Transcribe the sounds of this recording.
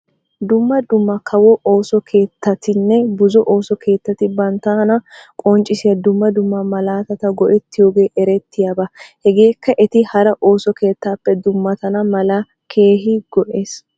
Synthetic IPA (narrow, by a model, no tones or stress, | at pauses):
d̪ʊmːɐd̪ʊmːɐkʰɐwɔʔoːsɔkʰe̞ːt̪ːɐt̪ɪnːɛbʊzɔʔo̞ːsɔkʰe̞ːt̪ːɐt̪ɪbɐnt̪aːnɐkʼɔnt͡ʃʼɪsɪjɐd̪ʊmːɐd̪ʊmːɐmɐlaːt̪ɐt̪ɐɡɔʔɛt̪ːɪjoːɡe̞ːʔɛɾɛt̪ːɪjabɐhɛɡe̞ːkːɐʔɛt̪ɪhɐɾɐʔoːsɔkʰe̞ːt̪ːaːpːɛd̪ʊmːɐt̪ɐnɐmɐlɐ | kʰe̞ːɦɪɡ̥ɔʔeːs